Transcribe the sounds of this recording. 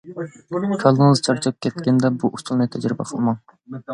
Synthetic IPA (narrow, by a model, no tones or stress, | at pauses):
kʲʰɑlˠɨŋɨzt͡ʃʰɑɾt͡ʃʰɨp̚kʲʰɛt̪̚kʲɛnd̪ɛbuʔust̪ʰulˠnɨt̪ʰɛd͡ʒɾɪbɛ̰qʰəlˠmɑŋ